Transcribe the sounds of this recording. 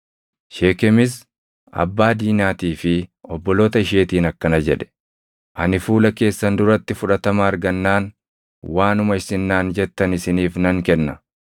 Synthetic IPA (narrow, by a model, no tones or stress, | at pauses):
ʃeːkɛmɪs̬ | ɐ̰bːaːd̪iːnaːt̪iːfɪɔbːɔloːt̪ɐɪʃeːt̪iːnɐkːɐnɐd͡ʒɛᶑɛ̥ | ʔɐnɪfuːlɐke̞ːsːɐnd̪ʊɾɐt̪ːɪfʊᶑɐt̪ɐmɐːɾɡɐnːaːn | waːnʊmɐɪsɪnːaːnd͡ʒɛt̪ːɐnɪsɪniːfnɐŋkɛnːɐ